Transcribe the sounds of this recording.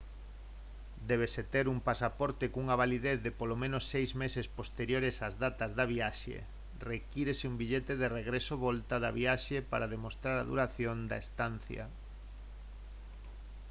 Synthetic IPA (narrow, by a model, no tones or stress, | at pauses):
d̪ɛβ̞eset̪eɾumpasapɔɾt̪ekuŋaβ̞aliðeθðepolomẽnosːejzmesespost̪eɾjoɾesazðat̪azðaβiaʃḛ | rekiɾesɪumbiʎet̪eðereɣɾesoβɔlt̪aðaβiaʃepa̰ɾað̞emost̪ɾaɾa̰ðṵɾaθjond̪a̰est̪anθja̰